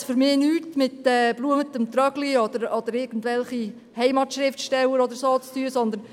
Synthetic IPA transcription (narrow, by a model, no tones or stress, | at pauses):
fʏɾmɪːnyːtmɪtɛːb̥luːəmət̪əmt̪ɾœɡ̥liɔd̪əɾɔd̪əɾɪɡ̥ən̩tvʋɛlχi | hɛɪmɑt̪ʃɾɪftʃtɛwəɾɔd̪əɾsoːt͡st̪yəsɔnd̪ən